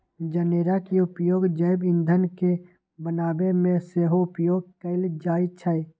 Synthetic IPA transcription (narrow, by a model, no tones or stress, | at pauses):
d͡ʒəneːɾakiʊpjoːɡd͡ʒəɪbɪ̃nd̪ʱənke | bənaːbemẽseːɦoʊpjoːɡ̚kəɪld͡ʒaːit͡ʃʰəj